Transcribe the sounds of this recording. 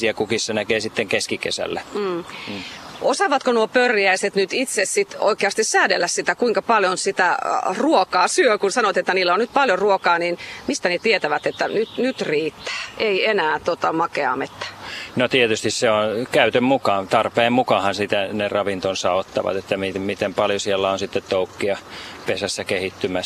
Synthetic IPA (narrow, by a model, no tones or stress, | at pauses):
siækukissenækeːsit̪ːeŋkeskikḛsæ̰lːæm̩ː | ʔosɑʋɑt̪konuopørjæiset̪nyt̪it̪sessit̪o̰ikeɑst̪issæːdelːæssit̪ækuiŋkɑpɑljonsit̪æruokɑːsyøkunsɑnoʋɑt̪et̪ːæniːlːonnyt̪̚pɑljoruokɑːniːnmist̪ænet̪iet̪æʋæt̪et̪ːænyt̪nyt̪riːt̪ːæ̥ːʔeienæːt̪ot̪ɑmɑkeɑ̰met̪ːæ̥not̪iet̪yst̪isseonkæyt̪ømmukɑːnt̪ɑrpeːmmukɑhɑnsit̪ænerɑʋint̪onsɑot̪ːɑ̰ʋɑ̰t̪et̪ːæmimit̪empɑljosielːæonsit̪ːet̪t̪oukːiɑpesæsːækehit̪ːymæs